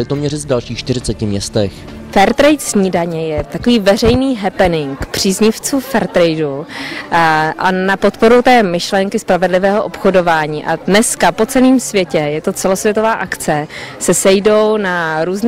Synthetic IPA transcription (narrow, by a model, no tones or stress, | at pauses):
lɪt̪omɲɛrɪzdalʃiːxʃt̪ɪɾɪt͡sɛcɪmɲɛst̪ɛx | fɛɾt̪ɾɛjt̪sɲiːdaɲɛjɛt̪akoviːvɛr̝ɛjniːɦɛpɛnɪŋkpr̝̥iːzɲɪft͡suːfɛɾt̪ɾɛjdu | ʔanapo̞t̪po̞ɾut̪ɛːmɪʃlɛŋkɪspɾavɛdlɪvɛːɦoʔopxo̞do̞vaːɲiːʔadnɛskapo̞t͡sɛliːmsvjɛcɛjɛt̪o̞t͡sɛlo̞svjɛt̪o̞vaːʔakt͡sɛsɛsɛjdo̞wnaɾuːzn